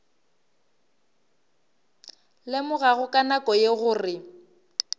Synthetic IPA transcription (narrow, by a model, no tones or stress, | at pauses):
lemʊɣaɣʊkʼanakʼɔjeɣʊːrɪ